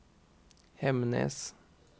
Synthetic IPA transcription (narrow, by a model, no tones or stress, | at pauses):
hɛmnə̰s